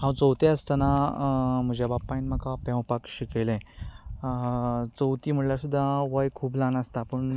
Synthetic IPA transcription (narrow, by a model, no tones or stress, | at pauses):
ɦãwt͡sowt̪eəst̪ana | m̤əd͡ʑabapːanm̤akapɛ̃wpakɕikejlɛ̃ | t͡sowt̪iːm̤əɽljasud̪ʱːaʋəjkʰuːblanast̪apəɳ